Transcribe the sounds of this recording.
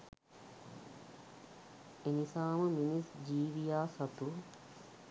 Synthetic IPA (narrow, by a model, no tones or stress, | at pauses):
enisaːməminisd͡ʒiːʋijaːsɐt̪u